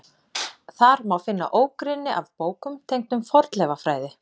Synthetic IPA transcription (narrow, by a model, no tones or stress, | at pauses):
θaɾmawfɪnːa̰ʔoːwkɾɪnːɪʔavpoːwkʏmt̪ʰejŋkt̪ʏmfɔɾt̪lɛvafɾaːjðɪ